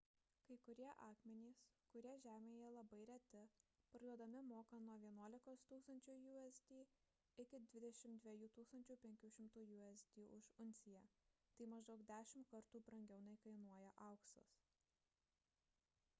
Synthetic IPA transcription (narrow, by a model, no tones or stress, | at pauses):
kɐɪkʊɾʲiɛʔɑːkmʲɛnʲiːskʊɾʲiɛʒʲæːmʲeːjɛlˠɐbɐɪɾʲɛt̪ʲɪpɐɾluɔd̪ɐmʲɪmoːkɐnuɔʋʲiɛnuɔlʲɪkoːst̪uːkst̪ɐnʲt͡ʃʲuːjuːɛzʲd̪ʲiː | ɪkʲɪd̪ʲʋʲɪd̪ʲɛʃʲɪmd̪ʲʋʲɛjuːt̪uːkst̪ɐnʲt͡ʃʲuːpʲɛŋʲkʲuːʃʲɪmt̪uːjuːɛzʲd̪ʲiːʔʊʃʊnʲsʲɪjæt̪ɐɪmɐʒd̪ɐʊkd̪ʲæːʃʲɪmkɐɾt̪uːbɾɐŋʲɡʲɛʊnɐɪkɐɪnuɔjɛʔɐˑʊksʊ̰s